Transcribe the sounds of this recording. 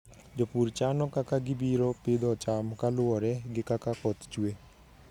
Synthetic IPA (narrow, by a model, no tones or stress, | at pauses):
d͡ʒopuɾt͡ʃanɔkakaɡɪbiɾɔpɪd̪ɔt͡ʃamkalʊwɔɾɛɡɪkakakɔt̪t͡ʃwe